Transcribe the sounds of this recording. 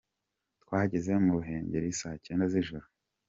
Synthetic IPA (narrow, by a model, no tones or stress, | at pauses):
tkwaːɟeze̞muβuɦe̞ːɲɟeɾiisaːhce̞ːndaziʒuɾu